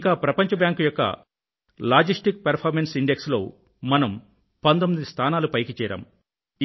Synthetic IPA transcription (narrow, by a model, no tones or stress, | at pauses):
ŋkaːpɾɐpɐɲt͡ʃɐbjaːŋkjɔkːɐ̰ | laːd͡ʒisʈik̚pɐɾpʰaːɾmensiɳɖekslo̞̰ː | mɐnɐm | pɐnd̪omːid̪ist̪ʰaːnaːlupɐjkit͡ʃɛːɾa̰ːm